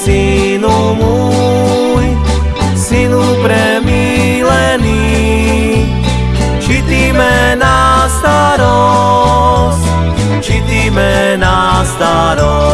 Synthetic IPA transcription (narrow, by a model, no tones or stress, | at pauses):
si | nu | mu | j | sinupɾɛ | mi | lɛni | t͡ʃit̪iːmɛnast̪aɾɔ | sc | t͡ʃit̪imɛnast̪aɾɔ